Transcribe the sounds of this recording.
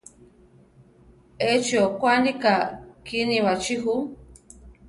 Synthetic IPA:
et͡ʃiokʷanikakinĩwat͡ʃiɦu

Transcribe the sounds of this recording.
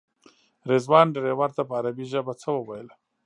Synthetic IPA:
ɾezwɑnɖaɾewaɾt̪apəːɾabiʒəbat͡səwəwajəla

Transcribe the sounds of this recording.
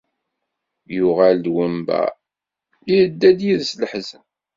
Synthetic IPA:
jʊʁald̪wəmbæ̰ | iɾəd̪ːæd̪jiðsləħzæ

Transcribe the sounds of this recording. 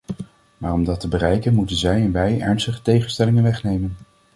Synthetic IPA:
maːrɔmdɑtəbərɛjkənmutənzɛjɛnʋɛjɛɹnstəχə̥tejχənstɛlɪŋənʋɛχnejmən

